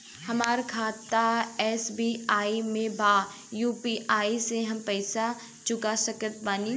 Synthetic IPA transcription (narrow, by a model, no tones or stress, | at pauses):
hɐmaːɾkʰaːt̪aɛːsbiːaːimẽbʱaː | juːpiʔaːiseɦɐmpəɪsa | t͡ʃʊkasəkət̪baːniː